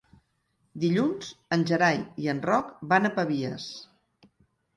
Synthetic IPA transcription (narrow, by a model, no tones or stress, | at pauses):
d̪iʎunz̥ənʲʒəɾajiənrɔkbanəpəβiəs